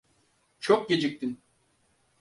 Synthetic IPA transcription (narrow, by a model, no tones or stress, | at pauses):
t͡ʃʰok̚ɟʲed͡ʒik̚t̪in